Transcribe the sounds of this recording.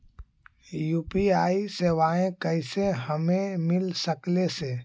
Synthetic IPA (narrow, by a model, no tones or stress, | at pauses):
juːpiaːisewaːẽkəɪseɦəmẽmɪlsəkleseː